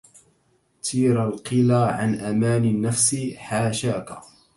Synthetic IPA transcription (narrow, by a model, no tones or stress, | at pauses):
t̪ʰiːɾalqɨlaːʕa̰nʔamaːnɪnːafsɪħaːʃaːka